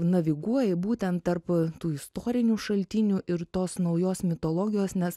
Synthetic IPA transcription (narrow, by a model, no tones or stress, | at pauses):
nɐʋʲɪɡuɔjɛbuːt̪ʲɛnt̪t̪ɐɾpt̪uːɪst̪oːɾʲɪnʲuʃɐlʲt̪ʲɪnʲuʔɪɾt̪oːsnɒʊjoːsmʲɪt̪oːlˠoːɡʲɪjoːsnʲɛs